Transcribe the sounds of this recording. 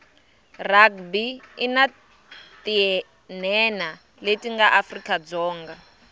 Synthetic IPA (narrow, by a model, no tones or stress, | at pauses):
rak̚biina | t̪ʼiɛ | nɛna | letʼiŋɡaʔafrikʼad͡zɔːŋɡa